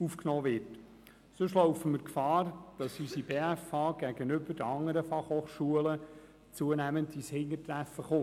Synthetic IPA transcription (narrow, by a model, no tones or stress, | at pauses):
ufknɔːʋɪt | søʃlɔʊfəməkfɑːrd̥ɑsysib̥eːæfɑːɡ̥æɡ̥ənʏbəɾdəɑŋːəɾəfɑχhoːχʃuələ | t͡suənæːməntishɪŋːətɾæfːəχo